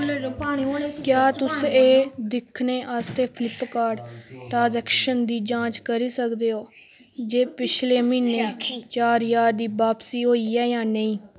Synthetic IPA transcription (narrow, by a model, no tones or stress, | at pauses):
aːikjaːt̪ʊseːd̪ɪkʰneːʔaːst̪eːpʰɪlɪpkaːɾɖʈaːzɛːkʃənd̪iːd͡ʒãːt͡ʃkəɾiːsəkd̪eːoː | d͡ʒeːpɪt͡ʃʰleːmiːneːt͡ʃaːɾjaːɾd̪iːbaːpsiːɦoːiːɛːjãːnəĩː